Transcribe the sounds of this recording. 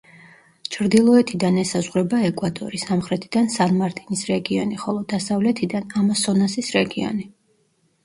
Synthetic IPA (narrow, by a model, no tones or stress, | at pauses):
t͡ʃʰɾd̪ilˠɔɛt̪ʰid̪anɛsazʁɾɛbaɛkʼwat̪ʼɔ̰ɾisamχɾɛt̪ʰid̪̥ansanmaɾt̪ʼinisɾɛɡiɔniχɔlˠɔd̪asavlɛt̪ʰid̪anamasɔnasisɾɛɡiɔ̰ni